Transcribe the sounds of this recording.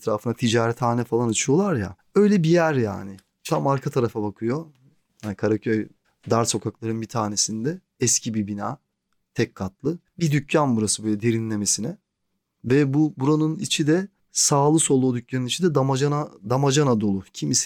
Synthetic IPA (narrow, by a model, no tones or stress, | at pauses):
ɛt̪ɾaːfɯnat̪ʰid͡ʒaːɾɛt̪haːnɛfalˠanat͡ʃʰɯjo̞lˠaɾja̰ | ø̞jlʲɛbijæɾja̰ːnɪ | t͡ʃʰamaɾkʰat̪ʰaɾafabakʰɯjo̞ | hanikʰaɾacʰøj | d̪aɾso̞kʰaklˠaɾɯnbit̪ʰaːne̞sind̪ɛ | ɛscʰibibinaː | t̪ʰɛcʰkʰːat̪lˠɯbid̪ycʰjanbuɾasɯbøjlʲɛd̪e̞ɾinlʲe̞me̞sinɛ | vɛbubuɾanunit͡ʃʰid̪ɛ | saːlˠɯso̞lˠud̪ycʲjanɯnit͡ʃʰid̪ɛd̪amad͡ʒanad̪amad͡ʒanad̪o̞lˠucʰimis